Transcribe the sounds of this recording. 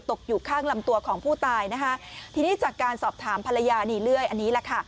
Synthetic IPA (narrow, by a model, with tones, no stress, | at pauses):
t̪o˨˩k̚juː˨˩kʰaː˥˩ŋla˧mt̪u˧ɐkʰɔː˩˦ŋpʰuː˥˩t̪aː˧jna˦˥kʰa˦˥t̪ʰiː˧niː˥˩t͡ɕaː˨˩kːaː˧nsɔː˨˩p̚t̪ʰaː˩˦mpʰa˧la˧jaː˧niː˧˩lɯ˥˩əjʔa˧nːiː˦˥lɛ˨˩kʰa˥˩